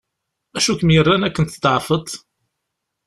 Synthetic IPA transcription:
æʃukəmjərˤːænækːənt̪d̪ʕfət̪ˤ

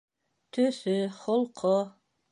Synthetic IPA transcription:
t̪ʰɵθɵχolˠqʰo

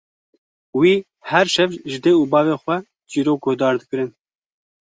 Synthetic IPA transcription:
wiː | hɛɾʃɛvʒɨd̪eːuːbɑːveːxwɛ | d͡ʒiːɾoːk̚ɡod̪ɑːɾd̪ɨkɨɾɨn

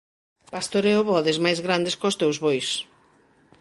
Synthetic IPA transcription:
past̪oɾeʊβɔðezmajzɣɾand̪eskost̪ewzβojs

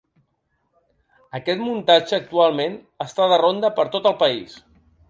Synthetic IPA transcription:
əkɛt̪munt̪ad͡ʒəːk̚t̪ualˠmen | əst̪aðərond̪əpəɾt̪ot̪əlˠpəḭs

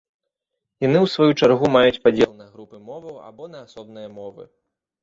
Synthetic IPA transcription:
janɨwsvajut͡ʂarɣumajut͡sʲpad͡zʲɛlˠnɐɣɾupɨmɔvɐwa̰bɔnɐːsɔb̚nɨjɐmɔvɨ̰

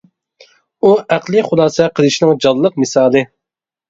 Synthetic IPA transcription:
uʔæqlˠɨχʊlˠɑːsɛqʰəlˠɨʃinɪŋd͡ʒɑlˠːəq̚mɨsɑːlˠɨ

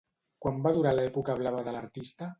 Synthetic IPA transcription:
kwambaðuɾalaɛpukəβ̞laβ̞əðələɾt̪ist̪ə

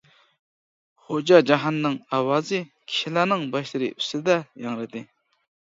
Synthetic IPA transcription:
χod͡ʑaɦd͡ʑaɦanːaŋawazi | kʰelanaŋmbəɕəɾesəld̪ajaŋrət̪e

